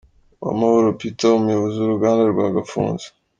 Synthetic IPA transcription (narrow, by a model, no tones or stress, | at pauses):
wa̰mahoɾopitaumujoβoziuɾuɡaːndaɾɡwaːɡafṵːnze̥